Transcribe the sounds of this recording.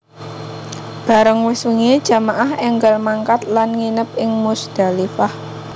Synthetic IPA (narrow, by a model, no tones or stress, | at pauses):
b̥ä̤ɾəŋwɪsuŋed̥ʒ̥a̤maʔahɛŋɡalmaŋkat̪̚lanŋinəp̚ɪŋmusd̥a̤lifah